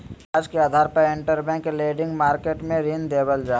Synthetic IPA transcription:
aːd͡ʒkeaːd̪ʱaːɾpəɾẽɳʈəɾbɛ̃ːkleːɖɪ̃ŋɡmaːɾkeːʈmẽɾiːnd̪eːbəld͡ʒaː

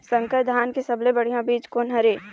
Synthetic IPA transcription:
sɐ̃ŋkəd̪ʱaːnkesɐblebɐɽ̤ijãbiːd͡ʒkonɐɾeː

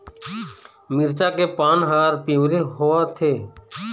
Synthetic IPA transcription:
mɪɾt͡ʃakepaːnɦaːɾpiʋɾeɦoːaːt̪ʰeː

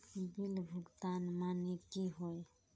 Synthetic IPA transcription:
bilbʱuɡt̪anmanekiɦɔj

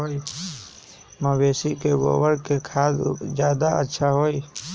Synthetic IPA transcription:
oːi | məweːsikebo̰ːwəɾkekʰaːd̪d͡ʒjaːd̪aə̰tːʃʰaɦoːi

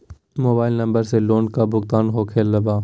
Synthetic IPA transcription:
moːbaːɪlnə̃mbəɾseloːnɖkabʱʊkt̪aːnɦoːkʰeːlːəbaː

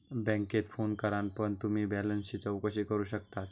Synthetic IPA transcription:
bɛ̃ŋket̪fonkəɾanpəɳt̪um̤iːbɛlənsit͡səwkəɕiːkəɾuːɕəkt̪at̪

